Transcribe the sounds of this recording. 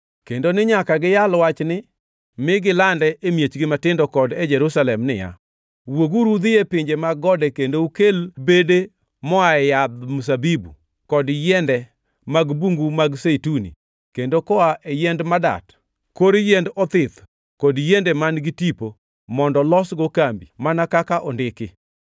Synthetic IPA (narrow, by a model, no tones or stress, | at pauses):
kendonɪɲakaɡɪjalwat͡ʃnɪ | mɪɡɪlandɛʔemjet͡ʃɡɪmatɪndɔkɔdɛd͡ʒɛɾusalɛmnɪ̰ja̰ | woɡuɾud̪ɪjepɪɲd͡ʒemaɡɔdɛkendoukelbede | mɔaɛjad̪mus̬abibu | kɔdjɛndɛ | maɡbuŋɡumaɡsetunḭ | kendokɔaʔejɛndmada̰t | koɾijɛndɔt̪ɪt̪ | kɔdjendɛmanɡɪtipo | mɔndɔlɔsɡokambḭmanakakaʔɔndɪkɪ